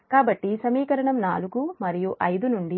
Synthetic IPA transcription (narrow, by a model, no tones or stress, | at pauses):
kaːbɐʈːisɐmiːkɐɾɐɳɐmnaːluɡumɐɾijuʔɐjd̪unuɳɖi